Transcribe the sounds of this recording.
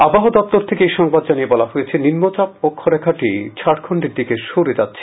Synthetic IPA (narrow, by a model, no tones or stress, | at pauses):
abaɦod̪ɔp̚t̪oɾt̪ʰekeejʃɔŋbad̪d͡ʑaniebɔlaɦojet͡ɕʰeninmot͡ɕap̚okʰːoɾɛkʰaʈit͡ɕʰaɽkʰoɳɖeɾd̪ikeʃoɾed͡ʑatːɕʰe̥